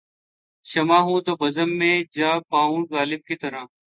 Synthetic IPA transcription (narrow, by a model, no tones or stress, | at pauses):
ʃəmaːɦũːt̪əʋəzəmːẽːd͡ʒaːpãːũːɡaːlɪb̚kiːt̪əɾãː